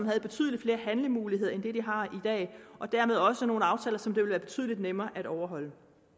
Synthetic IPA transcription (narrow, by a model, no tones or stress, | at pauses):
mɦæð̞̩ˠb̥e̝t͡sʰy̰ðˠlid̥fle̝ːɐhænləmuːlihe̝ð̞̰ˠɐend̥e̝d̥iɦɑ̈id̥ɛ̰ːʔɒ̽d̥æɐmeð̞ˠɒ̽səno̝ːn̩ɑ̈ʊt͡sʰɛ̰ːlɐsɒ̽md̥e̝ʋelʋæːɐb̥e̝̥t͡sʰy̰ð̰ˠlid̥nemɐːʔæɾ̥ɒʊɐɦɒ̽l̰ə